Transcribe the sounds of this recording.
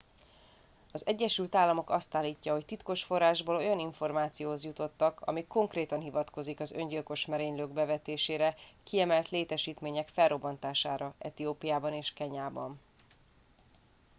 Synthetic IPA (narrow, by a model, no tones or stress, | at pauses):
ɒzɛɟːɛʃylt̪aːlːɒmo̞kɒst̪aːlːiːcːɒɦo̞ct̪it̪ko̞ʃfo̞rːaːʒboːlo̞jɒniɱfo̞rmaːt̪sijoːɦozjut̪o̞t̪ːɒkʰɒ̰mikːo̞ŋkreːt̪ɒnɦivɒt̪ko̞zikɒzø̞̰ɲɟilko̞ʃmɛɾeːɲløːɡbɛvɛt̪eːʃeːɾɛ | kiɛmɛlt̪leːt̪ɛʃiːt̪meːɲɛkfɛlrːo̞bːɒnt̪aːʃaːɾɒɛt̪ioːpijaːbɒneːʃkɛɲaːbɒn